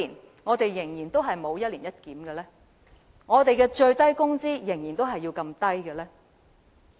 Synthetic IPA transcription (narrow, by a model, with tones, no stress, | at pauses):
i˨˩n | ŋɔː˨˧t̪e˨jjɪ˨˩ŋjiː˨˩nt̪o˥wɦɐ˨jmo˨˧wjɐ˥t̚liː˨˩njɐ˥t̚kiː˨˥mɡɛ˧lɛː˥ | ŋɔː˨˧t̪e˨jkɛː˧t͡ʃɵ˧ɥt̪ɐ˥jkʊ˥ŋt͡siː˥jɪ˨˩ŋjiː˨˩nt̪o˥wɦɐ˨jːiː˧wkɐ˧mt̪ɐ˥jɡɛ˧lɛː˥